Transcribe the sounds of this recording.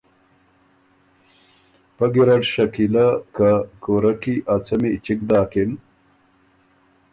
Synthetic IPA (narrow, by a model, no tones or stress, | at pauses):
pɐɡiɾɐʈɕɐkilakakoɾɐkiʔat͡sɐmit͡ɕikd̪aːkin